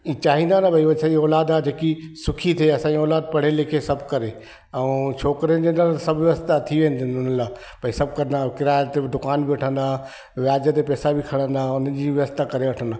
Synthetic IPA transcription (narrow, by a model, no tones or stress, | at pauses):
iːt͡ɕaːɦĩnd̪anabʱɐiʋɐsãiɔːlaːd̪aːd͡ʑeːkisʊkʰit̪ʰeɐsãːiɔːlaːd̪̚pɐɽ̤eːlekʰesɐbʱkɐɾe | ɐũt͡ɕʰoːkɾənd͡ʑenalsɐbʱʋʋəst̪at̪ʰiʋẽɦnt̪ɪnʊnəlaː | bʱɐisɐb̚kɐɾənd̪aːkɪɾaːjət̪ːed̪ʊkaːnbʱiɐʈʰə̃nd̪aː | ʋjaːd͡ʑət̪̬epɛːsabʱikʰɐɽ̤ə̃nd̪aːʊnənd͡ʑiːʋɪəst̪akɐɾeɐʈʰə̃nd̪aː